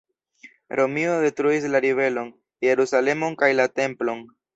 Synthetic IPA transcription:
ɾʔo̞miode̞tɾuislaɾive̞lo̞n | je̞ɾusale̞mo̞nkajlate̞mplo̞n

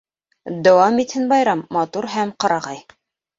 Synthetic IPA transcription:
d̪ɑwɑmit̪hɘnbɑjɾɑmːɑt̪uɾɦæmqɑɾɑʁɑj

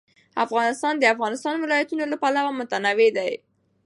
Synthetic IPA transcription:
afɣɑnɪst̪ɑnd̪əafɣɑnɪst̪ɑnwɪlɑjat̪unolapalawamʊt̪anawed̪aj

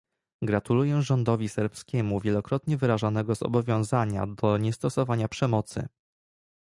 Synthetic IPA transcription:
ɡɾat̪ulujɛʐɔnd̪ɔvʲisɛɾpskʲɛmuvʲjɛlɔkɾɔt̪ɲɛvɘɾaʐanɛɡɔzɔ̰bɔvʲjɔ̃w̃zaɲa̰d̪ɔɲɛst̪ɔsɔvaɲapʂɛmɔt̪sɘ̰

